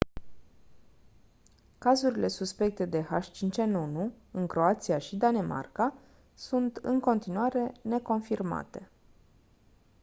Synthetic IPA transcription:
kazuɾile̞suspe̞k̚t̪e̞d̪e̞haʃt͡ʃint͡ʃe̞nunu | ɨŋkɾo̞at̪siaʃid̪anema̰rka | sunt̪ɨŋko̞nt̪inuaɾe̞ne̞ko̞nfirma̰t̪e̞

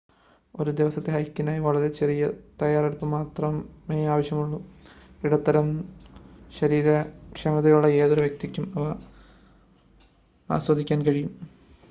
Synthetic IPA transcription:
o̞ɾud̪iʋɐsɐt̪ːeɦɐjkːinaːjiʋɐɭɐɾe̞t͡ɕerijɐt̪ɐjaːrɐɾupːɐmaːt̪rɐmeːaːʋɐɕjɐmuɭːu | iɽɐt̪ːɐɾɐm | ɕɐɾiːɾɐkʂɐmɐðɐjuɭːɐe̞ːðoɾuʋjek̚t̪ikʲːumɐʋɐ | a̰ːswɐd̪ʱikʲːaːnkɐɻijum

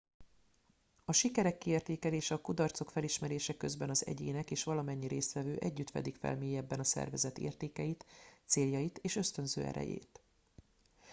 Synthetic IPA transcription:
ɒʃikɛɾɛkːieːrt̪eːkɛleːʃɛɒkud̪ɒrt̪so̞kfɛliʃmɛɾeːʃɛkø̞zbɛnɒzɛ̰ɟeːnɛkeːʃʋɒlɒmɛɲːiɾeːst̪ʋɛvøːʔɛɟːyt̪fɛ̰d̪ikfɛ̰lmeːjɛbːɛnɒsɛ̰rvɛzɛt̪ḛːrt̪eːkɛjit̪seːljɒjit̪eːʃø̞st̪ø̞nzø̰ːɛ̰ɾɛ̰jḛːt̪

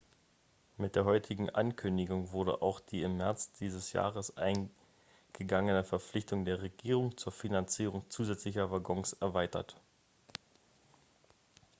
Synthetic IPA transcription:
mɪt̚d̥eːɐɦɔʏtʰɪɡŋ̩ʔankʰʏndɪɡʊŋvʊɐdə̰ʔa̰ʊxd̥iːɪmːɛɐt͡sd̥iːzəsja̰ːʁ̞əsʔa̰ɪn | ɡ̥əɡaŋənəfɛɐp͡flɪçtʊŋdeːɐʁeɡiːʁ̞ʊŋt͡suːɐfinant͡siːʁʊŋt͡suːzɛt͡slɪçɐvaɡɔŋsɛɐvaɪtɐt

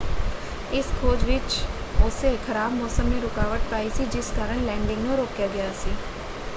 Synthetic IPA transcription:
ɪskʰoːd͡ʒʋɪt͡ʃ | ʊseːkʰəɾaːbmɔːsəmneːɾʊkaːʋəʈ̚paːiːsiːd͡ʒɪskaːɾəɳlɛ̃ːɳɖɪ̃ŋɡnũːɾoːkjaːɡɪjaːsiː

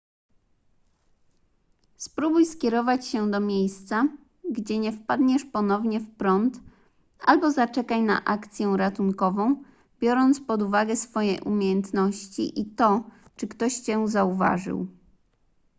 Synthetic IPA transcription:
spɾubujskʲɛɾɔvat͡ɕɕɛd̪ɔmʲjejst̪sa | ɡd͡ʑɛɲɛfpad̪ɲɛʂpɔnɔvɲɛfpɾɔnt̪ | a̰lbɔzat͡ʂɛkajna̰ʔakt̪sʲjɛw̃ɾat̪uŋkɔvɔ̃w̃ | bʲjɔɾɔnt̪spɔd̪uvaɡɛsfɔjejʔumʲjejɛnt̪nɔɕt͡ɕḭʔit̪ɔt͡ʂɘkt̪ɔɕt͡ɕɛzauva̰ʐɘ̰w

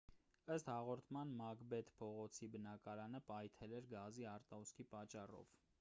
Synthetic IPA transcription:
əst̪hɑʁɔɾt̪ʰmɑnmɑkbɛt̪pʰɔʁɔt͡sʰibənɑkɑɾɑnəpɑjt̪ʰɛlɛɾɡɑziɑɾt̪ɑuskʰipɑt͡ʃːɑrɔ̰v

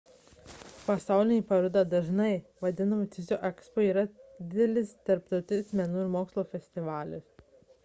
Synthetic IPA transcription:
pɐsɑˑʊlʲɪnʲɛːˑpɐɾʊd̪ɑd̪ɐʒnɐɪʋɐd̪ʲɪnɐmʊt̪ʲɪzʲoːʔɛkspoːiːɾɐd̪ʲɪd̪ʲɛlʲɪst̪ɐɾpt̪ɒʊt̪ʲɪnʲsʲmʲɛnuːɪɾmoːkslˠoːfʲɛsʲt̪ʲɪʋɑːlʲɪs

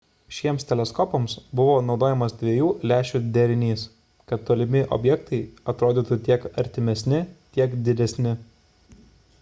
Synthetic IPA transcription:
ʃʲiɛmst̪ʲɛlʲɛskɔpɔmsbʊʋoːnɒʊd̪oːjɛmɐsd̪ʲʋʲiɛjuːlʲæːʃʲud̪ʲɛɾʲɪnʲiːs | kɐt̪̚t̪ːoːlʲɪmʲɪʔɔ̰bʲjɛkt̪ɐɪɐt̪ɾoːd̪ʲit̪ut̪ʲiɛkɐɾʲt̪ʲɪmʲɛsʲnʲɪt̪ʲiɛkd̪ʲɪd̪ʲɛsʲnʲɪ

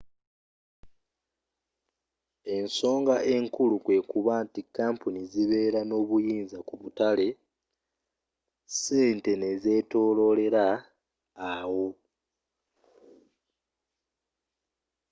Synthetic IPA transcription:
e̞nso̞ːŋɡaʔe̞ŋkulukwe̞ːkuβaːntikaːmpuniziβe̞ːɾano̞ːβujiːnzakuβutale̞ | se̞ːnte̞ne̞ze̞to̞ːlo̞le̞ɾaː | wo̞

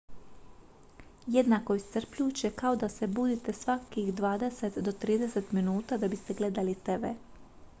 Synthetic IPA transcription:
jed̪nako̞ist̪sr̩pʎuːt͡ɕekao̞d̪ase̞buːd̪it̪e̞sʋakixd̪ʋaːd̪eset̪d̪o̞t̪ɾiːd̪eset̪minuːt̪ad̪abist̪e̞ɡle̞d̪alit̪eʋe

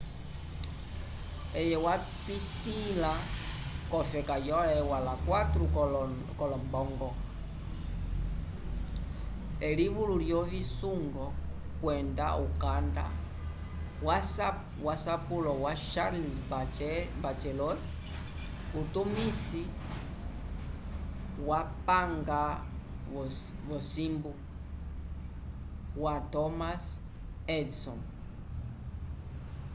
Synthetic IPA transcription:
ɛjɛwa | pitila | kɔfɛkajɔɛwalakwatɾu | kɔlɔmbɔŋɡɔ | ɛliβululjɔβisuŋɡɔ | kwɛnda̰ukanda̰ | was | wasapulɔwaʃaɾlis | bat͡ʃɛlɔɾ | utumisi | wapaŋɡa | vɔsimbu | watɔmas | ɛdsɔn

